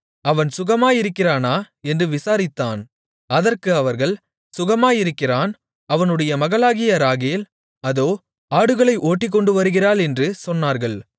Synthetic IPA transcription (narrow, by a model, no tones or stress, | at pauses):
ɐʋɐnsʊɣɐmaːjɪɾɯkːɪraːnaː | ɛndrɯʋɪsaːɾɪt̪ːaːn | ɐðɐrkɯɐʋɐɾɣɐɭ | sʊɣɐmaːjɪɾɯkːɪraːn | ɐʋɐnɯɽɐjɐmɐɣɐɭaːɣɪjɐɾaːɣeːl | ɐðoː | aːɽɯɣɐɭɐɪʔoːʈːɪk̬ːɔɳɖɯʋɐɾɯɣɪraːlɛndrɯsɔnːaːɾɣɐɭ